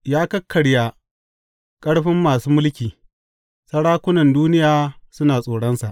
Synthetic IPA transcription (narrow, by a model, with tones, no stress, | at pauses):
jaː˦kɐ˦kʰːɐ˨ɽja˨ | kʼɐ˦ɽɸɪ˦mːaː˨suː˦mʊ˦lkʲiː˨ | sɐ˦ɽaː˦kʷʊ˦nɐ˨nduː˦nɪ˦jaː˨sʊ˦naː˨sʼoː˨ɽɔ˦nsa˨ʔ